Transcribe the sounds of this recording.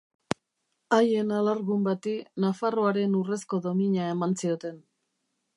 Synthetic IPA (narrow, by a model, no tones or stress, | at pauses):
aje̞nalaɾɣumbat̪inafaroaɾe̞nure̞sko̞ðo̞miɲae̞mansio̞t̪e̞n